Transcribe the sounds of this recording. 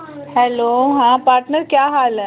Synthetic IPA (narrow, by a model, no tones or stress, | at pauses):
hɛloɦãpaːɾʈnəɾkjaːɦalə